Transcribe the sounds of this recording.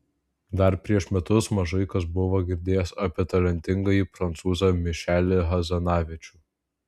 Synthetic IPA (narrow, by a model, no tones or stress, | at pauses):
d̪ɐɾpʲɾʲiɛʃmʲɛt̪ʊsmɐʒɐɪkɐs̬bʊʋoɡʲɪɾʲd̪ʲeːjɛsɐpʲɛt̪ɐlʲɛnʲt̪ʲɪŋɡɐjipɾɐnt̪suːzɐmʲɪʃʲæːlʲɪɦɐzɐnɑːʋʲɪt͡ʃʲuː